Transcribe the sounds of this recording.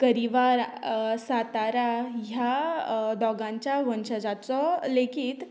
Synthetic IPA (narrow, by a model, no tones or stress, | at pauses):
kəɾiʋaɾsat̪aɾaɦjad̪ɔɡãɲt͡ɕjaʋənɕəd͡zat͡sɔlekʰiːt̪